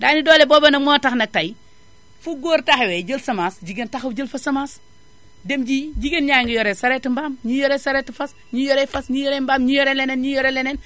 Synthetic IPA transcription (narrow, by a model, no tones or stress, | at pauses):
daːnidɔːlebɔːbɐnɐmɔːtɐxnɐk̚tɐj | fuɡoːɾtaxɛwɛɟəlsɐmaːsɟiɡentaxɐwɟəlfɐsɐmaːs | demɟiɟiɡenɲaːŋɡijɔɾɛsɐɾɛːtimbaːmɲijɔɾɛsɐɾɛtifɐs | ɲijɔɾɛfɐsɲijɔɾɛmbaːmɲijɔɾɛlɛnɛnɲijɔɾɛlɛnɛn